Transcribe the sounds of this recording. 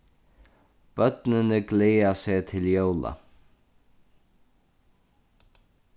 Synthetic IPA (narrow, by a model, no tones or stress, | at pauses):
b̥œt̪nɪnəɡleːaseːt̪ʰɪljowla̰